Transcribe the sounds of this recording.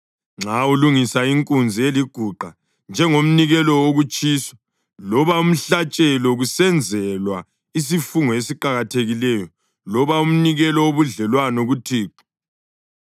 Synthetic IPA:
ŋ͡ǁauluŋisaiŋkʼund͡zʱieliɡ̥ʱuǃa | nd͡ʒʱɛŋom̩niɣɛlɔoɣut͡ʃʼiːswḁ | lɔβaum̩ɬat͡ʃʼɛlɔɣusɛnd͡zʱɛlwa | is̬ifuŋɔesiǃaɣatʰeɣilɛjɔ | lɔβaum̩niɣɛlɔoβuɮɛlwanoɣutʰiːǃɔ̥

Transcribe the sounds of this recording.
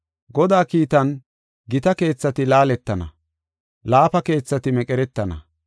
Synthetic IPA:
ɡɔd̪aːkiːt̪ɐn | ɡɪt̪ɐke̞ːt͡sːɐt̪ɪlaːlɛt̪ːɐnɐ̰ | laːpɐke̞ːt͡sːɐt̪ɪmɛkʼɛɾɛt̪ːɐnɐ̰

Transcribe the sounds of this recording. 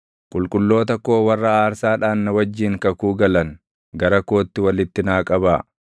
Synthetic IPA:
kʼʊlkʼʊlːo̞ːt̪ɐkːo̞ːwɐrːɐaːɾsaːᶑaːnnɐwɐd͡ʒːɪːŋkɐkuːɡɐlɐn | ɡɐɾɐko̞ːt̪ːɪwɐlɪt̪ːɪnaːkʼɐbaː

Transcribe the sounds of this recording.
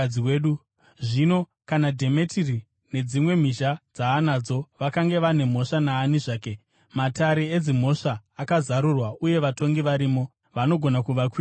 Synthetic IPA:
iweːɗu | ʐino̞ | kanadʱe̞me̞tʰiri | ne̞d͡zimwe̞m̤iʃad͡zaːnad͡zo̞ʋakaŋɡe̞ʋane̞m̤o̞ʂanaːniʐaːke̞ | mataɾeed͡zim̤o̞ʂaːkazaɾurwaʔuje̞ʋato̞ŋɡiʋaɾiːmo̞ | ʋano̞ɡʱo̞nakuʋakwiː

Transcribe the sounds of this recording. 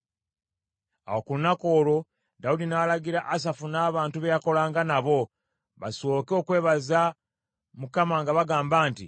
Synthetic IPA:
a̰wokulunako̞ːlo̞ | daudinaːlaɡiɾaʔas̬afunaːβaːntuβe̞jako̞laːŋɡanaβo̞ | βaso̞ːkeo̞kwe̞ːβaza | mukamaŋɡaβaɡaːmbaːnti

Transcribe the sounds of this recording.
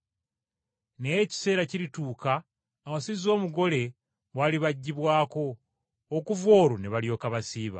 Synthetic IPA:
neeci̥se̞ːɾaciɾituːkaː | wasizo̞ːmuɡo̞le̞ | βwaliβaɟːiβwaːko̞ː | kuvwo̞ːɾuneβaljo̞ːkaβasiːβa̰

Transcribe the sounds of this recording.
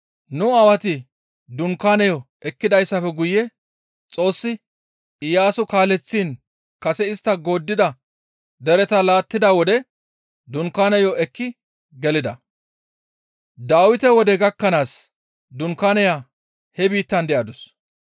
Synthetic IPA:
nʊɐwɐt̪ɪ | d̪ʊŋkaːnɐjɔ | ɛkːɪd̪ɐjsːɐfɛɡʊjɛ | t͡sʼo̞ːsːɪ | ɪjaːsʊkaːlɛt͡sːiːn | kɐsɛɪst̪ːɐɡo̞ːd̪ːɪd̪ɐ | d̪ɛɾɛt̪ɐlaːt̪ːɪd̪awɔd̪ɛ | d̪ʊŋkaːnɐjɔɛkːɪ | ɡɛlɪd̪ɐ | d̪aːwɪt̪ɛwɔd̪ɛɡɐkːɐnaːs | d̪ʊŋkaːnɛja | hɛbiːt̪ːɐnd̪ɛʔɐd̪ʊs

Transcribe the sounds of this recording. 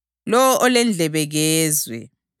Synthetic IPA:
lɔwɔʔɔlɛnd͡ɮʱɛβɛɣɛːzwɛ̰

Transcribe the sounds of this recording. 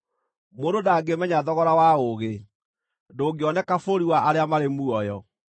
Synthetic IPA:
moːdodaːɡemɛɲaðɔɣɔɾawaoɣe | doːɡeɔnɛkafoɾiwaʔaɾeamaɾemuɔjɔ

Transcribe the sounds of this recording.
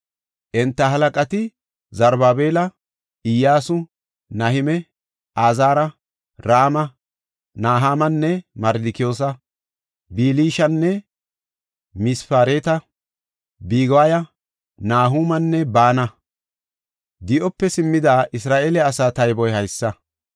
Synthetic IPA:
ʔɛnt̪ːɐɦɐlɐkʼɐt̪ɪ | zɐɾbaːbeːlɐ | ɪjːaːsʊ | nɐhɪmɛ | ʔaːzaːɾɐ | ɾaːmɐ | naːɦaːmɐnːɛmɐɾd̪ɪkɪjo̞ːs̬ɐ | biːliːʃɐnːɛ | mɪsfaːɾeːt̪ɐ | biːɡɔwajɐ | naːɦuːmɐnːɛbaːnɐ | d̪ɪʔɔpːɛsɪmːɪd̪aːʔɪsɾaːʔeːlɛɐsaːt̪ɐjbɔjhɐjsːɐ

